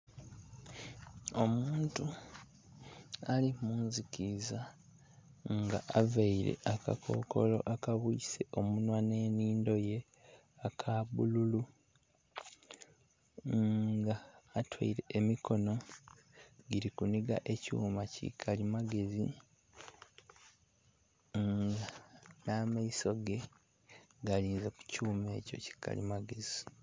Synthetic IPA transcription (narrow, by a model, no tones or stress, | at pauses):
o̞muːntu | alimuːnzikiza | ŋɡaʔavaiɾe̞̰ʔaka̰kʰo̞̰ːko̞̰lo̞ʔakaβuːse̞ʔo̞munwane̞ːniːndo̞je̞ | akʰaβululu | ɡaːtʰwa̰iɾe̞ːmiko̞no̞ | ɡiɾikuniɡa̰ʔe̞cṵːmacḭkʰalimaɡe̞zḭ | ɡanamaiso̞ɡe̞ | ɡaliːnzeku̥cuːme̞ːco̞̰ci̥kʰa̰lḭmaɡe̞zi